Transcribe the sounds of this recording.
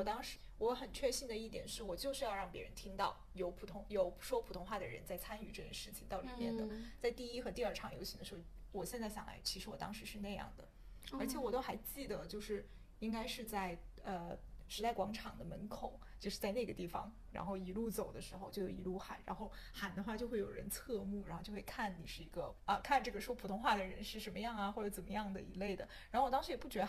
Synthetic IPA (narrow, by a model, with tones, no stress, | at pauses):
wɔ˨˩t̪ɑ˥ŋʂɻ̩˧˥wɔ˧˥xə˨˩nt͡ɕʰɥɛ˥˧ɕi˥˩nd̪ə˩i˥˩t̪jɛ˨˩nʂɻ̩˥˩wɔ˨˩t͡ɕjo˥˧ʊʂɻ̩˥˧jɑ˥˧ʊɻɑ˥˩ŋpjɛ˧˥ɻə̰˧˥nt̪ʰi˥ŋt̪ɑ˥˩ʊjo˧˥ʊpʰu˨˩t̪ʰʊ˧˥ŋjo˨˧˥ʊʂwɔ˥pʰu˨˩t̪ʰʊ˧˥ŋxwa˥˩d̪ə˩ɻə̰˧˥nt͡sa˥˩ɪt͡sʰa˥ny˨˧˩ʈ͡ʂɤ˥˩ɕjɛ˥˧nʂɻ̩˥˩t͡ɕʰi˨˩ŋt̪ɑ˥˩ʊli˨˩˦mjɛ˥˩nd̪ə˩t͡sa˥˧ɪt̪i˥˧i˥xɤ˧˥t̪i˥˧ə˞˥˩ʈ͡ʂʰɑ˧˥˩ŋjo˧˥ʊɕʰi˧˥d̪ə˧ʂ̩˧˥xo˥˩ | wɔ˨˩ɕjɛ˥˧nt͡sa˥˩ɪɕjɑ˨˩ŋla̰˧˥ɪt͡ɕʰi˧˥ʂɻ̩˧˥wɔ˨˩t̪ɑ̰˥ŋʂɻ̩˧˥ʂɻ̩˥˧na˥˧ɪjɑ̰˥˩ŋd̪ə̰˩ | ə˞˧˥t͡ɕʰjɛ˨˩˦wɔ˨˩t̪o˥xa˧˥ɪt͡ɕi˥˩d̪ə˩t͡ɕjo˥˧ʊʂɻ̩˥˩ | i˥ŋka˥ɪʂɻ̩˥˧t͡sa˥˩ɪə˧ʂɻ̩˧˥t̪a˥˩ɪkwɑ˧˥ŋʈ͡ʂʰɑ˨˩ŋd̪ə˦mə˧˥nkʰo˨˩˦ʊt͡ɕjo˥˧ʂɻ̩˥˧t͡sa˥˧ɪna˥˩ɡə˩t̪i˥˩fɑ̰˩ŋ | ɻa̰˧˥nxo˥˩ʊi˧˥lu˥˩t͡so˨˩ʊd̪ə˦ʂɻ̩˧˥xo˧ʊt͡ɕjo˥ʊjo˨˩i˧˥lu˥˩xa˨˩˦nɻa̰˧˥nxo˥˩ʊxa˨˩nd̪ə˦˧xwa˥˧t͡ɕjo˥˧ʊxwe˥˩ɪjo˨˩ɻə˧˥nt͡sʰɤ˥˧mu˥˩ɻnxo˥˧t͡ɕjo˥˧˥wkʰa˥˩nni˨˩ʂɻ̩˥˩i˧˥ɡə˧ə˧kʰa˥˧nʈ͡ʂɤ˥˩ɡə˩ʂwɔ˥pʰu˨˩t̪ʰʊ˥ŋxwa˥˩d̪ə˩ɻə˧˥nʂɻ̩˥˩ʂə˧˥nmə˧jɑ˥˩ŋɐ˩xwɔ˥˩ʈ͡ʂt͡sə˨˩mə̰˦jɑ˥˩ŋd̪ə̰˩ḭ˧˥le˥˩ɪd̪ə˩ɻa˧˥nxo˥˩ʊwɔ˨˩tɑ˥ŋʂɻ̩˧˥jɛ˨˩pu˥˩t͡ɕɥɛ˧˥ə˧